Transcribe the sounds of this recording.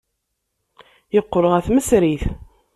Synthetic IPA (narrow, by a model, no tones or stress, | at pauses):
jəqːoɾəʁæθməsɾiθ